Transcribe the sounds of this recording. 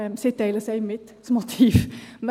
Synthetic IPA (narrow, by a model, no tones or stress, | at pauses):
sɪt̪ɛɪləsæɪɪmɪt̪ | mʊt̪ʰiːʋm